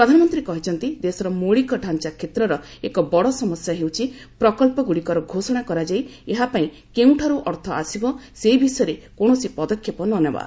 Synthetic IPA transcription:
ppɾɔd̪ʱanɔmɔnt̪ɾikɔɦit͡ʃʰɔnt̪id̪esɔɾɔmoɭikɔɖʱant͡ʃakʰet̪ɾɔɾɔekɔbɔɽɔsɔmɔsjaɦewt͡ʃʰi | pɾɔkɔlpɔɡuɽikɔɾɔɡʱosɔɽ̃akɔɾad͡ʒajeɦapaĩ | keũʈʰaɾuʔɔɾt̪ʰɔasibɔsebisɔjɔɾekoɽ̃ɔsipɔd̪ɔkʰːepɔnɔneba̰

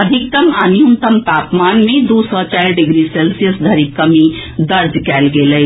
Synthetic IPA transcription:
əd̪ʱik̚t̪əmənijunt̪əmt̪apmanmẽd̪usɔt͡ʃajɾɖiɡɾiselsijəsd̪ʱəɾikːəmid̪əɾd͡ʒkɛlɡeləj

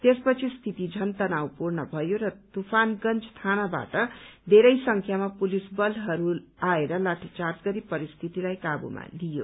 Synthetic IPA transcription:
t̪espʌt͡sʰist̪ʰit̪id͡zʱʌnt̪ʌnawpurnʌbʱʌjoɾʌt̪upʰanɡʌnt͡st̪ʰanaba̰ʈʌd̪ʱeɾʌjsʌŋkʰjamapulisbʌlɦʌɾuaeɾʌlaʈʰit͡sartɡʌɾipʌɾist̪ʰit̪ilajkabṵma̰lijo̰

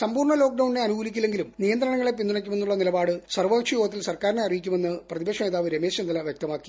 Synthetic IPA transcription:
sɐmbuːrɳɐlo̞ːk̚ɖɐwɳne̞ɐnuɡuːlikʲːile̞ŋɡilumnijɐnd̪ɾɐɳɐŋːɐɭe̞p̬ind̪uɳɐkʲːume̞nːuɭːɐnilɐbaːɽɨsɐrʋɐːkʂɐjuːɐt̪ːilsɐrkaːɾineɐrijikʲːume̞nːɨprɐðibɐkʂɐmeːðaːʋɨɾeme̞ːɕɐnd̪ɐlɐʋjek̚t̪ɐmaːkːi̥

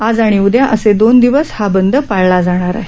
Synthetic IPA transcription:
ad͡zaɽ̃iud̪jaʔəsed̪ond̪iʋəshabənd̪ʱəpaɭlad͡zaɽ̃aɾa̰ɦe

